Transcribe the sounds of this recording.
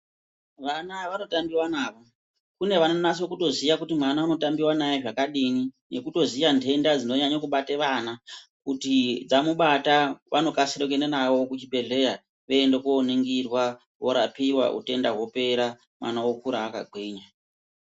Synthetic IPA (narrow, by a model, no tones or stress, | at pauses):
ʋanaʋano̞tambiwanaːʋo̞ | kune̞ʋananasokuto̞zijakutimanaːno̞tambiwanajeʐakaɗinine̞kuto̞zijandʱe̞ndad͡zino̞ɲaɲakuɓateʋanakutid͡zamuɓataʋano̞kasiɾok̬enenawo̞kut͡ʃibʱe̞ɮe̞ja | ʋe̞endekoːneŋɡirwa | wo̰ɾa̰piwa̰ʔṵte̞ndaɦwo̞pe̞ɾa | mwa̰nawokuɾaːka̰ɡʱwiːɲa